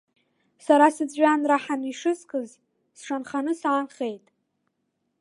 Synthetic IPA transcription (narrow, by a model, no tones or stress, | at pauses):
saɾasɨd͡zʼɥanraħaniʂɨskʰʼɨz | sʂanχanɨsaːnχe̞jtʼ